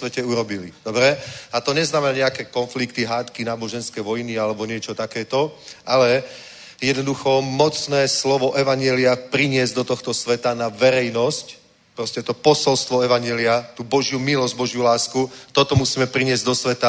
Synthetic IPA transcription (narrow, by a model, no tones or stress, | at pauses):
ʋɛcɛuɾɔbilid̪̥ɔbɾɛat̪ɔɲɛznaːmɛaɲɛakɛkɔnflikt̪iɦaːt̪kinaːbɔʒɛnskɛjʋɔjnialɛbɔɲɪɛt͡ʃɔt̪akɛːt̪ɔalɛ | jɛd̪nɔd̪uxɔmɔt͡snɛːslɔʋɔʔɛʋaɲɪɛliapɾiɲɪɛzd̪ɔt̪ɔxt̪ɔsʋɛt̪anaʋɛɾɛjnɔsc | pɾɔscɛt̪ɔpɔsɔlst̪ʋɔɛʋaɲjɛliat̪uːbɔʒjumilɔzɟbɔʒjulaːskut̪ɔt̪ɔmusiːmɛpɾiɲɪɛzɟd̪ɔsʋɛt̪a